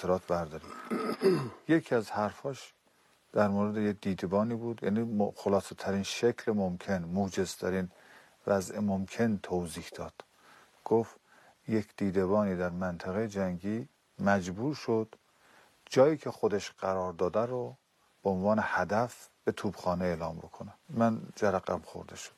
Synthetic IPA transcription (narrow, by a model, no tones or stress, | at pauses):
eɾɒːt̪ʰbæɾd̪ɒːɾḭ | jekʰiːæzhæɾfɒːʃ | d̪̥æɾmoːɾed̪ejek̚d̪iːd̪ebɒːniːbuːd̪jæ̰ːniːxolɒːset̪ʰæɾiːnʃekʰlemomkʰenmoːd͡ʒe̞z̥t̪ʰæɾiːn | væzʔemomkʰe̞nt̪ʰowziːhd̪̥ɒːd̪̥ | ɡ̥of | jekʰd̪̥iːd̪eβɒːniːd̪æɾmænt̪ʰæɣejed͡ʒæŋɡiː | mæd͡ʒbuːɾʃod̪̥ | d͡ʒɒːjiːkʰexod̪eʃɢ̥æɾɒːɾd̪ɒːd̪æɾo | b̥eonvɒːnehæd̪æfb̥et̪ʰuːbxɒːneeːlɒːmbokʰonemænd͡ʒæɾæɣæ̰mxo̰ɾd̪eʃo̥d̪̥